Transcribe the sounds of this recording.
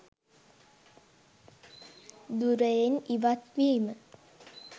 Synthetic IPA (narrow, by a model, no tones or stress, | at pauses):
d̪uɾəjeniʋat̪ʋiimə